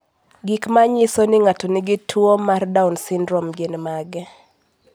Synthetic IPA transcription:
ɡɪkmaɲɪsɔnɪŋatɔnɪɡɪtʰwomardaunsɪndɾɔmɡenmaɡɛ

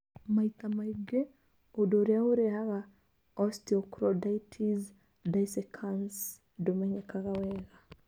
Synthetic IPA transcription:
mait̪amaiɡe | odoɾeaoɾehaɣa | ɔstiɔkɾɔdaitʰiz | daisɛkʰans | domaɲakaɣawɛɣa

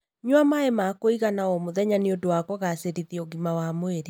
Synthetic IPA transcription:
ɲwamaemakoiɣanaɔmoðɛɲaneodowakɔɣaseɾiðiɔɡimawamoeɾe

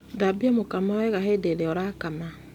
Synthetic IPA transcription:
dabiɔmokamaɛɣaɦedeɾeɔɾakama

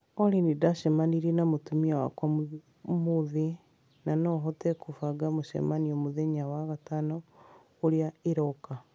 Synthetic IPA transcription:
ɔɾinidaʃɛmaniɾenamotumiawa̰kwamu | muði | nanɔɦɔtɛkufaɡamoʃɛ̰maniomuðeɲawaɣatanɔ | oɾijaiɾɔka

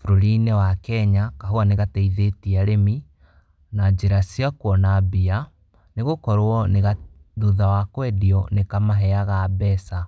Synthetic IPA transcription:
fuɾoɾinɛwakɛɲakaɦoaneɣatɛiðetiaɾemi | nad͡ʑeɾasiakwɔnabia | neɣokɔɾwɔneɣa | ðuðawakwɛdiɔnekamaɦɛaɣabɛsa

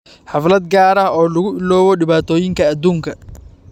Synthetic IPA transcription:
ħɑflɐd̪ɡaːɾɐɦɔːlʊɣʊɪlɔːwɔɖɪβaːt̪ʰɔːjɪŋkʰɐːd̪uːŋkʰɐ

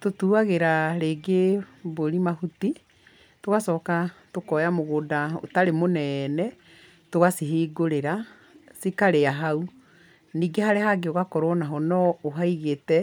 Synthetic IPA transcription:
totuaɣeɾaɾeːɡeboɾimahuti | toɣasɔːkatokɔjamoɣoːdao̰taɾemonɛnɛ | toɣasiɦiːɡoɾeɾa | sikaɾeaɦau | niːɡehaɾehaɡeoɣakɔɾɔnaɦɔnɔoɦaiɣetɛ

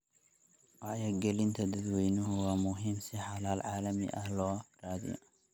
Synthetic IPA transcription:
waʕjɐɡɐlint̪ʰɐd̪ɨd̪wʰɔjnuhɨwamuɦimsiħalalʕalɐmḭʔahloɾad̪jo̰

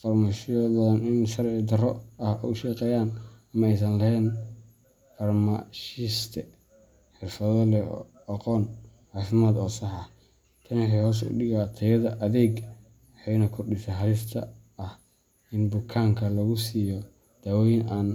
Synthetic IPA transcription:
fɐrmaʃjɔðɐnɪnʃɐrʕɪd̪ɐrɔɐhɔʃɛːqɛːjaːnɐmɐɛjsɐnlɐhɛn | fɐrmaʃɪst̪ʰɛ | ħɪrfɐðɔlɛɔ̰ | ɐqɔːnʕaːfɪmaːd̪ɔːsɑħɐh | t̪ʰɐnɪkɛhɔːs̬ʊ̰ɗɪɣat̪ʰɐjɐðɐʔɐðɛːɡ | ħɛjnɐkʰʊrɖɪsɐnħɐɾɪst̪ʰɐ̰ | ɐh | ɪnbʊkʰaːŋkʰɐlɐɣʊsiːjɔ | d̪̥aːwɔjnaːn

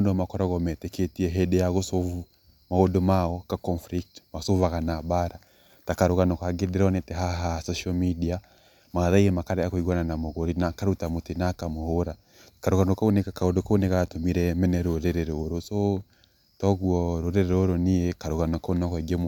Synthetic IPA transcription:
undɔmakɔɾɔɣɔmɛtɛketiɛɦɛdɛjaɣusɔvu | maɣɔdɔmawɔkakɔnfɾik̚tmasuvaɣanabaɾa | takaɾuɣanɔkaɡɛdɛɾɔnɛtɛɦaɦasɔʃamidia | maðaiɛmakaɾɛakuiɣɔnanamɔɣɔɾinakaɾutamutinakamuhoɾa | kaɾuɣanɔkaunɛkakaɔdɔkaunɛkatumiɾɛmɛnɛɾoɾɛɾɛɾɔɾɔsɔ | tɔɣuɔɾoɾɛɾɛɾoɾɔnijɛkaɾuɣanɔkunɔkɛɡɛm

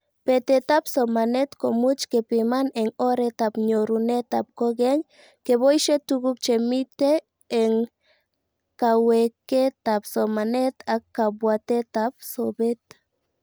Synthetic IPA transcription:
pet̪et̪apsomanet̪komut͡ʃkepemaneŋoɾet̪apɲoɾunet̪ap̚koɡeŋ | keβojʃet̪uɡup̚t͡ʃemit̪eː | ŋ | kaweket̪apsomanet̪ʰakːabwat̪et̪ap̚sobet̪

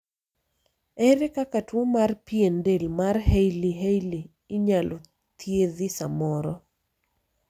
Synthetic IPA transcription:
ɛɾekakatwomarpiendelmarɦejliɦejliː | ɲalʔo | t̪jeðisa̰mɔɾɔ

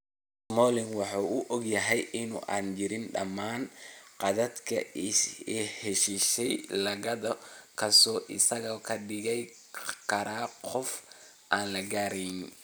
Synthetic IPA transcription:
smɔːlɪŋwɑħɑːʊʔɔɡjɐɦɛjʔɪnṵʔa̰ːnt͡ʃɪɾɪnɖɐ̰mːaːnqɑðɐd̪kʰɐ̰ɛːhɛʃiʃɛjlɐɣɐðɐkʰɐsɔːʔɪsɐɣɐkʰɐɖɪɣɛj | kʰɐɾaːqɔf | ʔaːnlɐɡaːɾɛjn

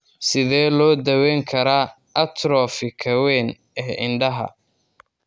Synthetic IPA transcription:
sɪðɛːlɔːd̪ɐwɛːŋkʰɐɾaː | ʔɐt̪ʰɾɔːfɪkʰɐwɛːn | ɛːʔɪnɖɐɦɐ̰

